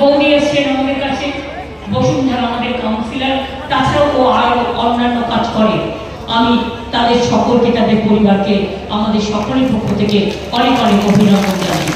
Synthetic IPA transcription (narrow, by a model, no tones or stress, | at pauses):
owniat͡ɕenamad̪eɾkat͡ɕʰe | boʃund̪ʱaɾamad̪eɾkaw̃nsilaɾ | t̪at͡ʃʰaoʔoaɾoɔnːanːokad͡ʑkɔɾe | amit̪ad̪eɾʃɔkolket̪ad̪eɾpoɾibaɾke | amad̪eɾʃɔkoleɾpokʰːot̪ʰeke | ɔnekɔnekobʱiɾamond͡ʑa̰ni